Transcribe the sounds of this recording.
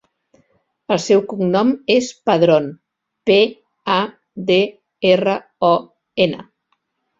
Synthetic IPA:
əlˠsɛwkuŋnɔmespəðɾon | pe | a | d̪e | erə | ɔ | enə̰

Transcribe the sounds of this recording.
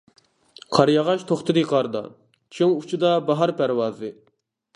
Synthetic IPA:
qʰɑɾjɑʁɑʃt̪ʰoχt̪ʰɨd̪ɨqʰɑɾd̪ɑ̰ | t͡ʃʰiŋut͡ʃʰud̪ɑbɑɦɑɾpʰæɾwɑːzɨ

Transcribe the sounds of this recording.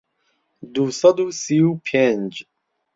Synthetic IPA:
d̪usɐd̪usiupʰend͡ʒ

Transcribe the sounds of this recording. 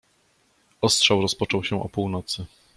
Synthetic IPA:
ɔstʂawɾɔspɔt͡ʂɔwɕɛ̃ʔɔpuwnɔt̪sɘ

